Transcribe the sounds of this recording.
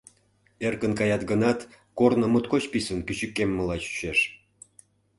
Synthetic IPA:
erkənkɑjɑt̪ɡənɑt̪ | kornə̆mut̪kot͡ɕpisənkyt͡ɕykːemːəlɑt͡ɕy̥ɕeʃ

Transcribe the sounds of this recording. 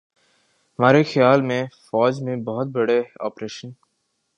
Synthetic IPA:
hɐmaːɾexɪjaːlmẽfɔːd͡ʒmẽbɐɦʊt̪̚bɐɽea̰ːpɾeːʃən

